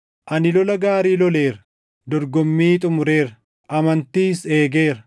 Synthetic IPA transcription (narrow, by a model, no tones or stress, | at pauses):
ʔɐnɪlɔlɐɡaːɾiːlɔle̞ːɾɐ | d̪ɔɾɡɔmːiːt̪ʼʊmʊɾe̞ːɾɐ | ʔɐmɐnt̪iːse̞ːɡe̞ːɾɐ